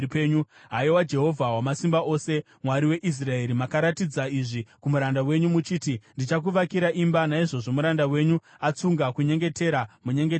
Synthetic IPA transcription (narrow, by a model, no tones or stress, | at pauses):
peːɲuɦaiwad͡ʒe̞ɦo̞vʱawamasimbaʔo̞se̞ | mwaɾiwe̞ʔis̬rae̞ɾimakaɾatid͡zaiʐikumuɾandawe̞ɲumut͡ʃiːtindit͡ʃak̬uʋakiɾaʔimbanaiʐo̞ʐo̞muɾandawe̞ɲu | at͡suŋɡakuɲe̞ŋɡe̞te̞ɾamuɲe̞ŋɡe